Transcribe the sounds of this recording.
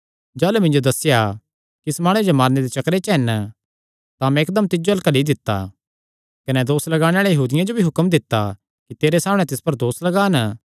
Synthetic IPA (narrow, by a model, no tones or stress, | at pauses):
d͡ʒaːlumɪ̃nd͡ʒod̪ɐsːɪja | kiɪsmaːɽ̃ud͡ʒomaːɾned̪et͡ʃɐkɾet͡ʃɐɦɛn | t̪amɛ̃ɪk̚d̪əmt̪ɪd͡ʒoɐlkɐlid̪ɪt̪ːa̰ | kɐnɛd̪oːslɐɡaːɽ̃eaːɭejɐɦuːd̪ɪjãd͡ʒobʱiɦʊkəmd̪ɪt̪ːa | kit̪eːɾesaːmɽ̃ɛ̃t̪ɪspɐɾd̪oːslɐɡaːnə